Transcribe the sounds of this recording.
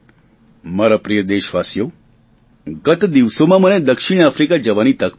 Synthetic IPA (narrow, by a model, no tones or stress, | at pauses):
maɾapɾijəd̪eʃʋasjo | ɡət̪d̪iʋsomãməned̪əkʂiɽ̃afɾikad͡ʒəʋañit̪ak